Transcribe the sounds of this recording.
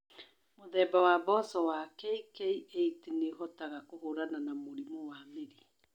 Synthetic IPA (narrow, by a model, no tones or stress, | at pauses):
moðɛːbawabɔsɔwakɛikɛiʔeitineɦɔtaɣakoɦoɾananamoɾimɔwameɾi